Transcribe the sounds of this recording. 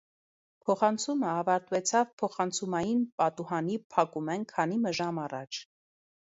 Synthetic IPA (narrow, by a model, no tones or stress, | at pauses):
pʰɔχɑnt͡sʰuməɑvɑɾt̪vɛt͡sʰɑvpʰɔχɑnt͡sʰumɑjinpɑt̪uhɑnipʰɑkumɛnkʰɑnimɛʒɑmɑrɑ̰t͡ʃʰ